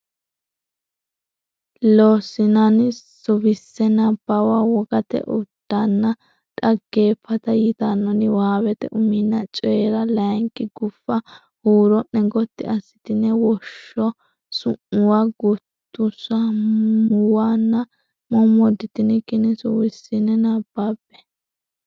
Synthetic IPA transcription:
loːsɪnɐnsʊbɪsːɛnɐb̥ɐwawɔɡɐt̪ɛ̰ʔʊd̪̥ːanːɐ | t̪ʼɐɡːe̞ːpʰːɐt̪ɐjɪt̪anːɔnɪwaːwɛt̪ɛ̰ʔʊmɪnːɐt͡ʃʼɔjɛɾɐlɐŋkːɪɡʊfːɐ | huːɾɔʔːɛɡɔt̪ːɪ̰ɐsːɪ̥t̪ɪnɛwɔʃːɔ | sʊʔʊwaɡʊt̪ːʊsɐmʊwanːɐ | mɔmɔd̪ɪt̪ɪnɪkːɪnɛsʊbɪsːɪnɛnabːaːbɛ̥

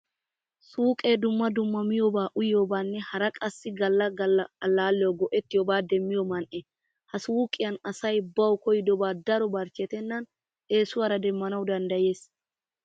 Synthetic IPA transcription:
suːkʼeːd̪ʊmːɐd̪ʊmːɐmɪjoːbaːʔʊjɪjo̞ːbaːnːɛhɐɾɐkʼɐsːɪɡɐlːɐɡɐlːɐɐlːaːlːɪjɔɡɔʔɛt̪ːɪjobaːd̪ɛmːɪjɔmɐnʔɛ | hɐsuːkʼːɪjɐnɐsɐjbɐwkɔjɪd̪ɔbaːd̪ɐɾɔbɐɾt͡ʃːɪɛt̪ɛnːɐn | ʔe̞ːsʊwaːɾɐd̪ɛmːɐnɐwd̪ɐnd̪ɐje̞ːs

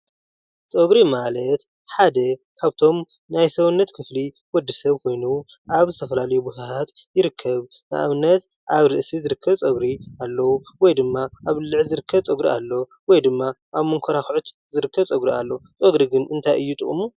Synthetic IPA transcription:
t͡sʼoɡɾimalɐt̪ | ħad̪ɐkʰaβt̪ʰo̞mnajsɐwnːɐt̪kʰɨfli | wɔd̪ːisɐβkʰo̞jnu | ʔaβzɨt̪ʰɐfɐlalɐjubut̪atʰat̪jɪɾɨkʰːɐβna̰ʔaβnːɐt̪ | ʔaβɾɨʔsizɨɾɨkʰːɐβt͡sʼɐɡɾialːɐwuwɔjd̪ɨmːaʔaβlɨʕzɨɾɨkʰːɐβt͡sʼɐɡɾialːo | wɔjd̪ɨmːa | ʔaβmɨŋkʰoɾaxʕut̪zɨɾɨkʰːɐβt͡sʼoɡɾialːot͡sʼoɡɾiɡɨnɨnt̪ʰajɨjːut̪ʼɨχʼmu

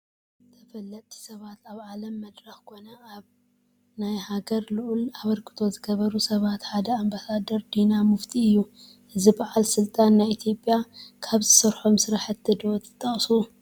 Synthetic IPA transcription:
t̪ʰɐfɐlːɐt̪ʼʰːi̥sɐβat̪ʰaβʕalɐmːɐd̪ɾɐxkʰo̞nɐaβ | najhaɡɐɾlɨʔulaβɐɾkʰɨ̥t̪ʰo̞zɨɡɐβɐɾusɐβat̪ħad̪ɐambasad̪ɐɾd̪inamɨft̪ʰiɨjːu | ʔɨzibaʕalsɨlt̪ʼanːajit̪ʰjo̞pʼːjakʰaβzɨsɐɾħo̞msɨɾaħɨt̪ʰːɨd̪ot̪ʰɨ̥t̪ʼːɐχʼsu

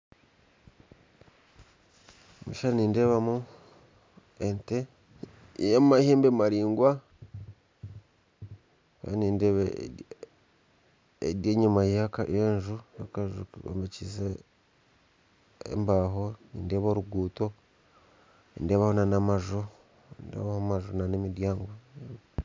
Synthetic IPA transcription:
omuʃaɾniːnde̞ːβamu | ente | jamaheːmbemaɾiːŋɡwa | βa̰niːndeβe | ḛdjeːɲumajaka̰jeːnʒujokaʒuo̰mbecise | ḛmbaːɦonḭːndeːβoɾuɡuːto̞ | nḭːnde̞ːβahonanamaʒo | indḛβahomaʒonanemidjaːŋɡo

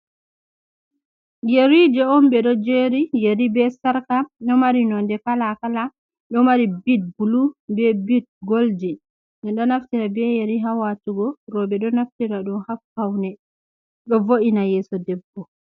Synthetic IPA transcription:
jeɾid͡ʒɛɔnbɛɗɔd͡ʒeɾijeɾibɛsaɾkaɗɔmaɾinɔndɛkalakala | ɗɔmaɾibit̚bulubɛbit̚ɡold͡ʒi | nɛɗɔnaftiɾabɛjeɾiɦawatuɡɔɾɔbɛɗɔnaftiɾaɗɔnhafkawnɛ | ɗɔvoʔinajɛːsɔdɛbːɔ

